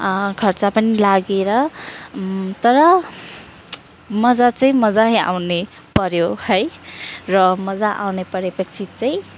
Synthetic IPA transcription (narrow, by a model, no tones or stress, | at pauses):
kʰʌrt͡sapʌnilaɡeɾʌ | t̪ʌɾʌ | mʌd͡zat͡sʌĩmʌd͡zaɦja̰wne | pʌɾjohʌjrʌmʌd͡zaʔa̰wnepʌɾepʌt͡sʰit͡saj̃